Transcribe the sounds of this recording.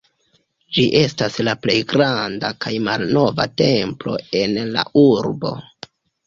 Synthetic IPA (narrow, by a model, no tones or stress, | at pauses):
d͡ʒiʔe̞staslaple̞jɡɾandakajmalno̞va̰te̞mplo̞̰e̞nla̰ʔuɾbo̞̰